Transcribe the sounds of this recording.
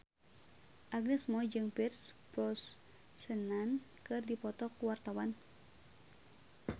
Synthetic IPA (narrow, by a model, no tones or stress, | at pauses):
ʔaɡnɛsmɔd͡ʒɨŋpirspɾɔsː | ənan | kɨrdipɔt̪ɔkuwart̪awan